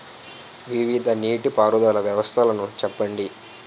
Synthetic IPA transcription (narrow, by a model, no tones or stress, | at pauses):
ʋiʋid̪ʱɐniːʈipaːɾud̪aːlɐʋjɐʋɐst̪ʰɐlɐnut͡ʃɛpːɐɳɖi